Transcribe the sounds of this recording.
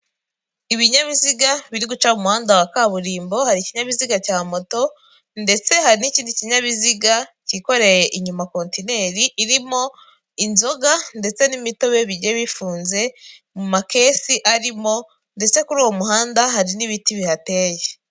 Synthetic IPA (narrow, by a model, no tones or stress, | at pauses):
iβiɲaβiziɡaβiɾiɡut͡ʃaumuhaːndawakaβuɾiːmbo̞haɾiciɲaβiziɡacaːmo̞to̞ | nde̞t͡se̞haɾiniciːndiciɲaβiziɡaciko̞ɾe̞je̞ʔiɲumako̞ntine̞ɾiʔːɾimo̞ | inzo̞ɡande̞t͡se̞nimito̞βeβiɟeβifuːnze̞ | mumake̞siʔaɾimo̞ | nde̞t͡se̞kuɾuːwo̞muɦaːndahaɾiniβitiβihate̞ːje